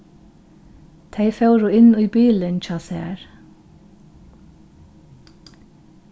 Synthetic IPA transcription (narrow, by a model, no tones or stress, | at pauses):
t̪ʰeɪfɑʉɾuːɪniːbiːlənc͡çɑːsḛːɹ